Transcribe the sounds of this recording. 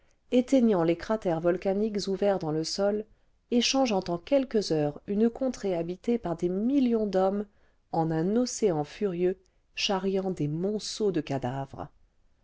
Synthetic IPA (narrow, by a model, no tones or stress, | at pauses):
et̪eɲɑ̃lekχat̪ɛʁvɔlkanikzuvɛʁd̪ɑ̃ləsɔl | eʃɑ̃ʒɑ̃t̪ɑ̃kʲɛlkəzœʁynəkɔ̃t̪χeabit̪epaʁd̪emiljɔ̃d̪ɔm | ɑ̃nɛ̃nɔseɑ̃fyʁjø | ʃaʁjɑ̃d̪emɔ̃sod̪əkad̪avʁə